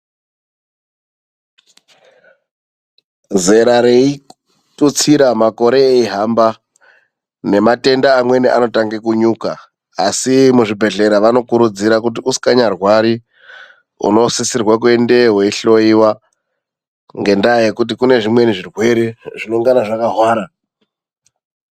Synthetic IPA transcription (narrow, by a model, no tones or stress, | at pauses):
ze̞ɾaɾei | tut͡siɾamako̞ɾe̞ːiɦamba | ne̞mate̞ndaːmwe̞niʔa̰no̞taŋɡekuɲuːkaː | simuʐibʱe̞ɮe̞ɾaʋano̞kuɾud͡ziɾakut̬iuskaɲarwaɾi | ṵno̞sisirwak̬uwe̞nde̞ɦwe̞iɬo̞iwa | ŋɡe̞ndaje̞kut̬ikune̞ʐimwe̞niʐirwe̞ɾeʐinoŋɡanaʐakaɦwaːɾa